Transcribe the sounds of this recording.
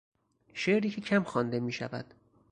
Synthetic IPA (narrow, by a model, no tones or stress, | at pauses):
ʃeʔɾicʲʰecʰæmxɒnd̪e̞miːʃæ̰væ̰d̪̥